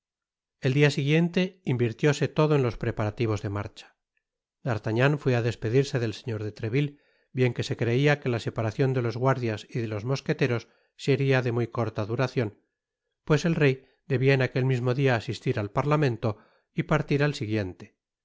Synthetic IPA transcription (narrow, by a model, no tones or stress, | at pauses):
e̞ld̪iasiɣje̞nt̪e̞imbiɾt̪jo̞se̞t̪o̞ðoenlo̞spɾe̞paɾat̪iβ̞o̞zðe̞ma̰ɾt͡ʃḁ | d̪̥aɾt̪aɲaɱfweaðe̞spe̞ðiɾse̞ðelseɲo̞ɾðe̞t̪ɾe̞βil | bje̞ŋke̞se̞kɾe̞iake̞lase̞paɾaθjo̞nd̪e̞lo̞zɣwaɾðjasiðelo̞zmo̞sket̪e̞ɾo̞sː | eɾiaðe̞mujko̞ɾt̪aðuɾaθjo̞n | pwe̞se̞lre̞j | d̪e̞βiaenake̞lmizmo̞ðiaːsist̪iɾalpaɾlamẽ̞nt̪o | ipaɾt̪iɾalsiɣje̞nt̪e̞